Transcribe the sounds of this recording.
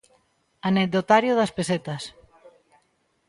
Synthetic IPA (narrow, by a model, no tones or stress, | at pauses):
aned̪ot̪aɾjoðɐspeset̪ɐs